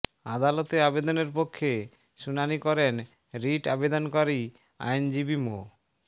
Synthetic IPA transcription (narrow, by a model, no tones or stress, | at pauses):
ad̪alot̪eabed̪oneɾpokʰːe | ʃunanikɔɾen | ɾiʈabed̪onkoɾi | a̰jnd͡ʑibimo